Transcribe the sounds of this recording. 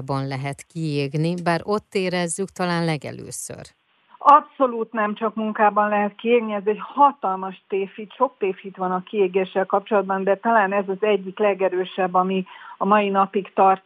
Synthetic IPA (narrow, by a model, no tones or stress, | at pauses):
bɒnlɛɦɛt̪kieːɡnibaːɾo̞t̪ːeːɾɛzːykt̪ɒlaːnlɛɡɛ̰lø̰ːsø̰r | ɒpso̞luːt̪nɛmt͡ʃɒkmuŋkaːbɒnlɛɦɛt̪̚kieːɡniɛzɛchɒt̪ɒlmɒʃt̪eːfit̪ʃo̞k̚t̪eːfhit̪ʋɒnɒkieːɡeːʃːɛlkɒp̚t͡ʃo̞lɒd̪̚bɒnd̪ɛt̪ɒlaːnɛzɒzɛɟːiklɛɡɛɾøːʃɛbːɒmiɒmɒjinɒpikt̪ɒrt̪